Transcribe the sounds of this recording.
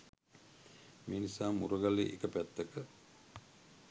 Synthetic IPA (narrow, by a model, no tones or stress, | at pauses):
meːnisaːmuɾəɡalḛʔekəpæt̪ːəkə